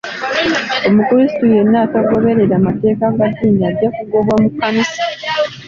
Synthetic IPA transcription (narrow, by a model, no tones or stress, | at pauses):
o̞mukuɾisi̥tuje̞nːaːtaɡo̞βe̞ɾeɾamate̞ːkaɡadiːniaɾɟakuɡoβwomukanisḁ